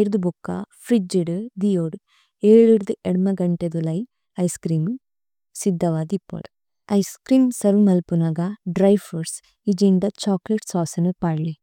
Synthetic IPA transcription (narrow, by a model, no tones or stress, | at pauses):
eɾd̪ubukːɐ̰fʰɾid͡ʒiɽɨd̪ijoːɽ | eːɭiɾd̪ɨʔeɽmɐɡɐɳʈed̪ulɐj | ɐjskɾiːm | sid̪ːɐʋaːd̪ipːo̰ɽ | ɐjskɾiːmsɐɾumɐlpunɐɡɐɖɾɐjfɐɾs | id͡ʒeɳɖɐt͡ʃaːkleʈsaːsɐnupaːɽli